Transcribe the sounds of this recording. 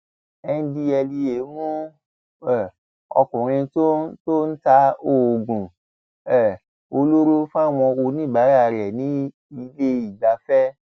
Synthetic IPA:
ɛ˧n̩˦di˧ɛ˧li˧e˨˦mũ˦ | ɛ˦˨ | ɔ̰˧kũ˨ɾ̃ĩ˧to˦to˦n̩˦ta˦o˦˨ɡũ˨ | ɛ˦˨ | o˧lo˦ɾu˦fa˦˨w̃ɔ̃˧o˧nĩ˦˨ba˨˦ɾa˦a˧ɾɛ˨nĩ˨˦ | i˦le˦i˨ɡ͡ba˧fɛ˦

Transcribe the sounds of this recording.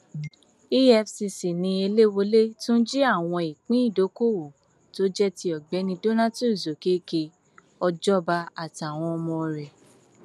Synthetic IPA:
i˦ɛ˧fsi˧si˨nĩ˧e˧le˦wo˧le˦tũ˦n̩˦d͡ʒi˦a˦˨w̃ɔ̃˧i˨k͡pĩ˦i˦˨do˨˦ko˦˨wo˨ | to˦d͡ʒɛ˦ti˧˦ɔ˨ɡ͡bɛ˨˦nĩ˧do˦nã˦tu˦˨zo˨ke˨˦ke˧ | ɔ˧d͡ʒɔ˦ba˧a˨ti˨a˨w̃ɔ̃˧ɔ˧mɔ̃˧ɾɛ˨

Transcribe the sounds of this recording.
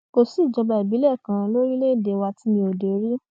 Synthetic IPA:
ko˧si˨d͡ʒɔ˧ba˧i˨bi˨˦lɛ˦˨kã˧lo˦ɾi˦le˦˨de˨˧wa˧ti˦mĩ˧o˨de˨ɾi˦

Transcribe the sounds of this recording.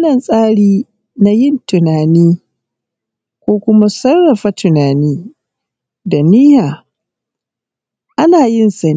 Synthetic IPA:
nɐ˨nsʼaː˦ɽiː˦ | na˦jɪ˦ntʊ˨naː˨niː˦ | kʷoː˦kʷʊ˦ma˦sɐ˦rːɐ˨ɸa˦tʊ˨naː˨niː˦ | da˨nɪ˦jaː˨ | ʔa˦naː˨jɪ˦nsɐ˨n˦

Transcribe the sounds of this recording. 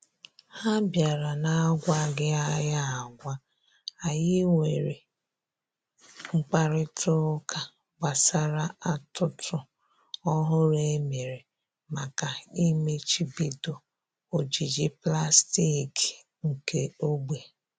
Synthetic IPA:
ha˦bja˨ɾa˨na˦ɡʷa˦ɡɪ˦a˦ja˦a˨ɡʷa˦ | a˨jɪ˦ŋʷe˨ɾḛ˨ | ŋ͡m̩˨k͡pa˦ɾɪ˦tʰʊ˦kʰa˨ | ɡ͡ba˨sa˨ɾa˦a˦tʊ˦tʰʊ˦ | ɔ˦ɦʊ˦ɾe˦me˨ɾe˨ | ma˨ka˨i˦me˦t͡ʃi˦bi˦do˨ | o˨d͡ʒi˨d͡ʒi˦pla˦sti˦˨ki˨ | ŋ̩˨ke˦o˦ɡ͡be˨

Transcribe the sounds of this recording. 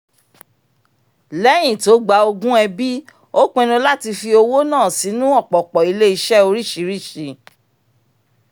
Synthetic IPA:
lɛ˨˦j̃ĩ˨to˨˦ɡ͡ba˨˧o˧ɡũ˦ɛ˧bi˦ | o˦k͡pẽ˧ɾ̃ũ˧la˦ti˧fi˧o˧wo˦nãː˦˨si˨˦nũ˦ɔ˦˨k͡pɔ˨k͡pɔ˨i˧le˦i˧ʃɛ˦o˧ɾi˦˨ʃi˨˦ɾi˦˨ʃi˧˦

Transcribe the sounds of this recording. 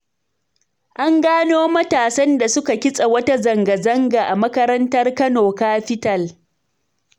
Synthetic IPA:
ʔa˦ŋɡaː˦noː˦mɐ˦taː˨sɐ˦nda˨sʊ˦ka˨kʲɪ˦sʼa˨wɐ˦ta˦zɐ˨ŋɡɐ˨zɐ˦ŋɡa˨ʔa˨mɐ˦kɐ˦ɾɐ˦ntɐ˦rkɐ˦noː˨kaː˦ɸɪ˦tɐ˦˨l

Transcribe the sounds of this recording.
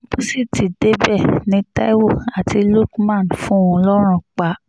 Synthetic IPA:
bu˦si˦˨ti˨de˦bɛ˦˨nĩ˧˦ta̰˦i˦wo˦˨a˨ti˧˦lo˦kmã˦˨nfũ˦ũ˧lɔ˦ɾ̃ũ˧k͡pa˨˧˦

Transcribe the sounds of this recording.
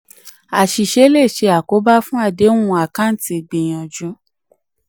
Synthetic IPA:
a˨ʃi˨ʃe˧˦le˦˨ʃe˧a˨ko˨˦ba˦fũ˦a˦˨de˨˦ũ˦ũ˦˧a˨kã˦n̩˨ti˧˨ɡ͡bẽ˨j̃ɔ̃˨d͡ʒũ˨˦

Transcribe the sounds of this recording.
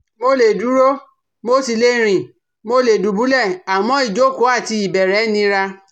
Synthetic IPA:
mo˧le˨du˨˦ɾo˦ | mo˦si˧˨le˨˦˨ɾ̃ĩ˨ | mo˧le˨du˨˦bu˨˦lɛ˦˨a˨mɔ̃˧˦i˦˨d͡ʒo˨˦˨ko˨˦a˦˨ti˧i˨bɛ˨ɾɛ˨˦nĩ˧ɾa˧

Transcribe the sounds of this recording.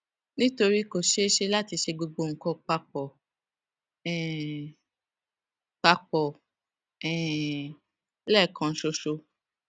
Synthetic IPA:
nĩ˦to˧ɾi˦ko˨ʃe˦ʃe˦la˦ti˧ʃe˧ɡ͡bo˧ɡ͡bo˧˨ŋ̩˨kɔ˧˦k͡pa˧k͡pɔ˨ | ɛ˨ | k͡pa˧k͡pɔ˨ | ɛ̃˨˦ | lɛ˦˨kã˨˦ʃo˧ʃo˧

